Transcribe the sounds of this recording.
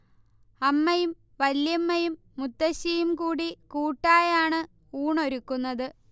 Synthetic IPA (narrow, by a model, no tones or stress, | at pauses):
ɐmːɐjum | ʋɐljɐmːɐjumːut̪ːɐɕɐjumkuːɽikuːʈːaːjaːɳɨ | uːɳo̞ɾukːunːɐðɨ